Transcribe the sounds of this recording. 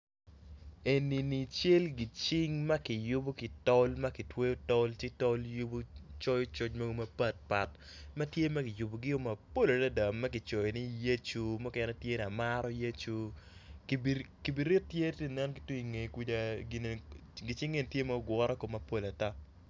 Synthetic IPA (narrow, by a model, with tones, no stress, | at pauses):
e˨ni˨ni˨t͡ʃe˦lɡi˨t͡ʃɪ˦ŋmɐ˦kɪ˨jʊ˦bo˦kɪ˨tɔ˦lma˦kɪ˨twe˦jo˦tɔ˦lt͡ʃɪ˦tɔ˦lju˦bo˦t͡ʃɔ˦jɔ˦t͡ʃo˦t͡ʃma˦ɡo˦mɐ˦pa˦t̚pa˨t | ma˦tje˦ma˦kɪ˨jʊ˨bo˨ɡɪ˦o˦mɐ˨po˦la˨ta˦da˨mːɐ˦kɪ˨t͡ʃɔ˨je˨ni˦je˦t͡ʃu˦mɔ˦kɛ˦nɛ˦tje˦ni˨a˨ma˦ɾɔ˦je˦t͡ʃu˦kbki˨bi˨ɾɪ˦tːje˦te˦nɛ˦nkɪ˨twi˦i˨ŋe˨ki˦da˨ɡɪ˨n˨ɡɪ˨t͡ʃɪ˦ŋe˦n˨tje˦ma˦o˦ɡwɔ˦ɾɔ˦ko˨mɐ˨po˨la˨ta˦